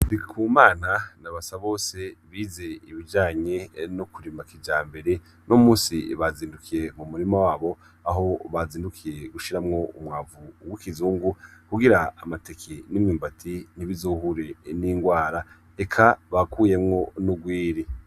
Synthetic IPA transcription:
ndikʰumaːnanaβasaβo̞ːse̞βiːze̞iβid͡ʒaːɲe̞nokuɾimakid͡ʒaːmbe̞ɾe̞ | nʔomuːsḭβaziːndukʰije̞mumuɾimawaːβo̞ | aɦo̞βaziːndukʰije̞ɡuʃiɾamŋo̞umŋaːvuwikizuːŋɡukuɡiɾaːmate̞kʰenimɲiːmbatʰiniβizohuɾe̞niːŋɡwaːɾa | ekʰaβakuːje̞mŋo̞nuɡwiːɾi

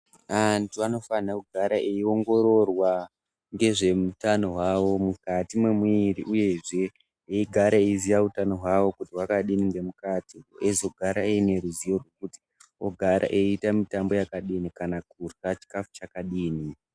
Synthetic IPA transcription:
antuano̞fanakuɡʱaɾaʔeio̞ŋɡo̞ɾo̞rwa | ŋɡe̞ʐe̞mutano̞ɦwawo̞mukatimwemwiɾiʔuje̞ʐe̞ | eiɡʱaɾaeizijautano̞ɦwawo̞kutiwakaɗiniŋɡe̞mukatiezo̞ɡʱaɾaeine̞ɾuzijo̞rwe̞kuti̥ | o̰ɡʱaɾa̰ʔe̞itamitambo̞jakaɗinikanakurat͡ʃi̥kafu̥t͡ʃakaɗiːni

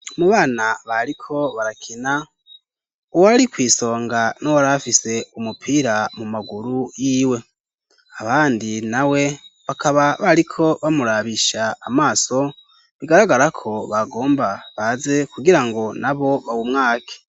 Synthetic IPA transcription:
muβaːnaβaɾikʰo̞βaɾakʰina | uwaɾikwiːso̞ːŋɡanowaɾafise̞umupʰiɾamumaɡuɾujiːwe̞ | aβaːndinawe̞βakaβaβaɾikʰo̞βamuɾaβiʃaːmaːso̞ | βiɡaɾaɡaɾakʰo̞βaɡo̞ːmbaβaze̞kuɡiɾaŋɡo̞naβo̞βawumŋaːkʰe̥

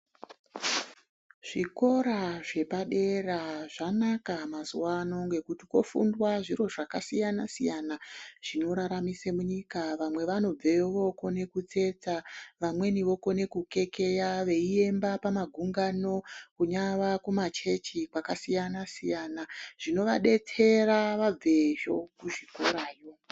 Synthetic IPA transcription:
ʐ̥iko̞ɾaʐe̞paɗe̞raʐanakamazuwano̞ŋɡe̞kutiko̞̰fṵndwaʐiro̞ʐakasijanasijanaʐ̥ino̞ɾaɾamisemuɲikaʋamwe̞ʋano̞b͡veʋo̞ko̞ne̞kut͡se̞t͡saʋamwe̞niʋo̞ko̞ne̞kuke̞ke̞jaʋe̞ie̞mbapamaɡʱuŋɡano̞kuɲaʋakumat͡ʃe̞t͡ʃikwakasijanasijanaʐ̥ino̞ʋaɗe̞tʰe̞ɾaʋaeʒo̞̰kuʐikuɾaːjo̞

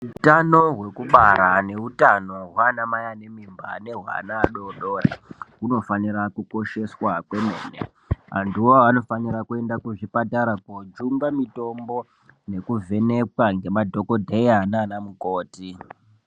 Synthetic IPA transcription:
utano̞ɦwe̞kuɓaɾane̞utano̞ɦwanamajane̞mimbane̞ɦwa̰naːɗo̞ɗo̞ːra̰ɦuno̞faniɾakuko̞ʃe̞swakwe̞mḛːnḛ | a̰nduwoano̞faniɾakue̞ndakuʐipataɾakod͡ʒumbamito̞mbo̞ | ne̞kuvʱe̞ne̞kwaŋɡe̞madʱokodʱeiananamuko̞ːti

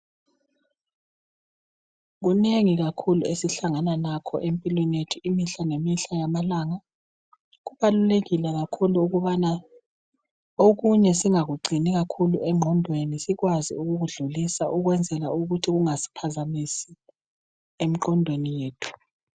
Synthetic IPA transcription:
ɣ̬uneŋiɣakʰuluesiɬaŋananakʰɔ̰ʔempʼilwɛnjetʰuimiɬanemiɬajamalaŋa | ɣuβaluleɣilɛɣakʰuluːɣuβana | oɣuɲɛsiŋaɣuɡ͡ǀʱiniɣakʰuluʔɛŋ͡ǃʱɔndʱwenisiɣwazḭuɣuɣuɮulisaʔuɣwɛnd͡zʱɛla̰uɣutʰiɣuŋasi̥pʰazamisi | em̩ǃɔndʱwenijeːtʰu̥

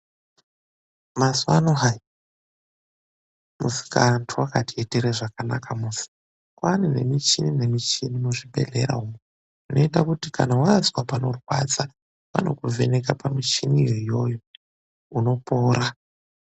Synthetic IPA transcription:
masuanoɦai | musi̥kantʰuwakatieteɾeʐakana̰kamusi̥ | kwanine̞mit͡ʃinine̞mit͡ʃinimuʐibʱe̞̰ɮe̞̰ɾa̰ɦumo | unʔo̞itakutikʰanawaaswapano̞rwa̰t͡sa | wa̰no̞̰kuvʱe̞nekapamit͡ʃiniirijo̞jo | uno̞po̞ːɾa

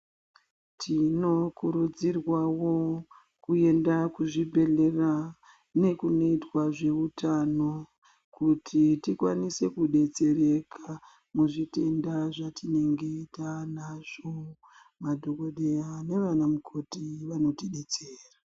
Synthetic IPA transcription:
tino̞kuɾud͡zirwawo̞ | kue̞ndakuʐibʱe̞ɮe̞ra | ne̞kuno̞itwaʐe̞utano̞ | kutʰitikwanise̞kuɗe̞t͡se̞re̞kʰa | muʐite̞ndaʐatine̞ŋɡe̞itanaʐ̥o | madʱo̞ko̞ɗe̞jane̞ʋanamukʰo̞tiʋano̞tiɗe̞t͡seːra

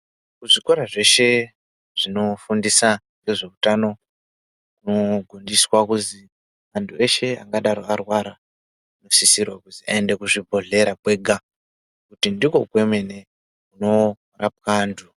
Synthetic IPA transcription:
kuʐikoɾaʐe̞ʃe̞ | ʐ̥ino̞fundisaneʐe̞utano̞ | kuno̞ɡʱondiswakuzi | antʰue̞ʃe̞a̰ŋɡaɗaɾo̞arwaɾa | ino̞sisirwakuzia̰endekuʐibʱo̞ɮe̞ɾapwe̞ɡʱa | kutindiko̞kwe̞me̞ne̞ | kuno̞ | rap̚wandʰu

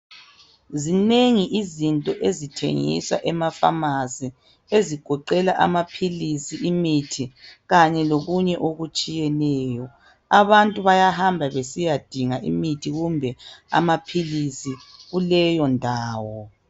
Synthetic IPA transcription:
zineŋiʔizintʼɔʔezitʰḛŋḭsa̰ʔɛmafa̰mazi | eziɡ̥ʱɔǃɛlaʔa̰mapʰilisiʔimitʰiɣaɲɛloɣuɲɛʔoɣut͡ʃʼijɛnɛːjɔ | aβantʼuβajahambʱaβesijad̥ʱiŋaʔḭmitʰiɣumbʱɛa̰mapʰilisiɣulɛjɔndʱaːwɔ

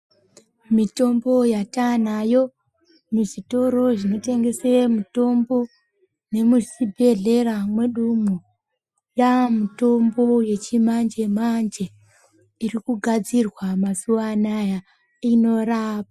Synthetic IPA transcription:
mito̞mbo̞jatanajo̞ | muʐito̞ɾo̞ʐino̞te̞ŋɡe̞semuto̞mbo̞ | ne̞musibʱe̞ɮe̞ramwe̞ɗumu | jamuto̞mbo̞je̞t͡ʃimand͡ʒe̞mand͡ʒe̞ | irikuɡʱad͡zirwamasuʋanaja | ino̞raːpa

